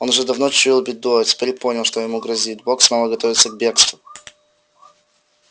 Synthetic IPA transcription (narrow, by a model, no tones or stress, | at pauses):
onʊʐɛd̪ɐvnot͡ɕʊilˠbʲɪd̪uɐtʲɪ̥pʲeɾʲpo̞nʲɪlˠʂt̪ojɪmuɡɾɐzʲit̪̚boksmalˠəɡɐt̪ovʲɪt̪səɡbʲe̞kst̪vʊ